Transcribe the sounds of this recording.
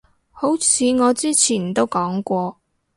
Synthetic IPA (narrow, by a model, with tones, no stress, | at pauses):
ho˨˥wt͡sʰiː˨˧ŋɔː˨˧t͡siː˥t͡sʰiː˨˩nt̪o˥wkɔː˨˥ŋkʷɔː˧